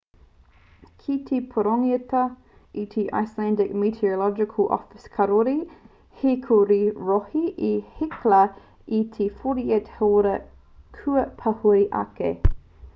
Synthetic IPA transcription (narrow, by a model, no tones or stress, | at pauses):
kʰitʰepʰoɾoŋiətɐ | it̪ʰeʔa̰jslændɪkmitʰiolɔd͡ʒɪkʰəlʔɔ̰fɪskʰɐɾoɾi | hekʰoɾiɹohiʔihɪklɐ | it̪ʰefoɾiethoɾɐ | kʰʉəpʰɐhuiʔɐ̰kḛ